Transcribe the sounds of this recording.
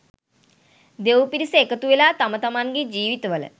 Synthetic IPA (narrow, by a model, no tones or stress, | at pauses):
d̪ewpiɾisəekət̪uʋelaːt̪ɐmət̪ɐmanɡed͡ʒiːʋit̪əʋələ̰